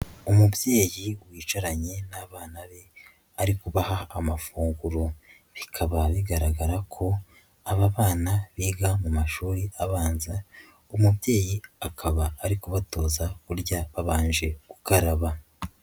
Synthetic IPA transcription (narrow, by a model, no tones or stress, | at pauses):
umubje̞ːjiwiːt͡ʃaɾaɲe̞naβaːnaβe̞ | aɾikuβahaːmafuːŋɡuɾo | βikʰaβaβiɡaɾaɡaɾakʰo̞ | aβaβaːnaβiːɡamumaʃuːɾiʔaβaːnza | umubje̞ːjiakʰaβaːɾikuβato̞ːzakuɾɟaβaβaːnd͡ʒe̞ɡ̥ukaɾaβa